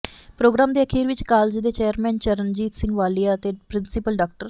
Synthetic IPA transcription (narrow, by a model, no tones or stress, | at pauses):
pɾoːɡɾaːmd̪eːəkʰiːɾʋɪt͡ʃkaːld͡ʒd̪eːt͡ʃeːəɾmɛ̃ːnt͡ʃəɾənd͡ʒiːt̪sɪ̃ŋɡʋaːliːat̪eːpɾɪnsɪpəlɖaːk̚ʈəɾ